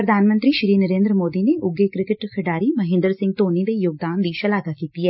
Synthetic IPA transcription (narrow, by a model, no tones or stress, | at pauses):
pɾəd̪ʱaːnmə̃nt̪ɾiːʃɾiːnəɾeːnd̪ɾəmoːd̪ineʔʊɡekɾɪkɪʈkʰəɖaːɾiməɦɪ̃nd̪əɾsɪ̃ŋɡ̚t̪oːnid̪ejoːɡ̚d̪aːnd̪iːʃɐlaːɡakiːt̪iɛː